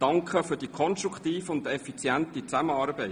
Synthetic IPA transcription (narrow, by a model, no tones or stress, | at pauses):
d̥ɑŋkʰəfʏɾd̥ikʰɔnstɾuktiːfəʊndɛfit͡sjæntit͡sæməɑːrbɛɪ